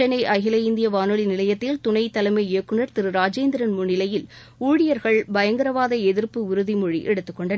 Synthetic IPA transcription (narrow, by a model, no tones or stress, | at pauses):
ɐnɐɪʔɐɣɪlɐɪnd̪ɪjɐʋaːnɯɭinɪlɐjɐt̪ːɪlt̪ʊɳɐɪt̪ːɐlɐmɐeːkːɯɳɐɾt̪ɪɾɯɾaːd͡ʒeːnd̪ɪɾɐnmʊnːɪlɐjɪl | uːɻɪjɐɾɣɐɭbɐjɐŋɡɐɾɐʋaːðɐɛðɪɾpɯʊɾɯðimɔɻḭʔɛɽɯt̪ːɯkːɔɳɖɐ